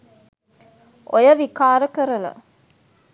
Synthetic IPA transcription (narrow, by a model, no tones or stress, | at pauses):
ɔjɐʋikaːɾɐkɐɾɐlɐ̰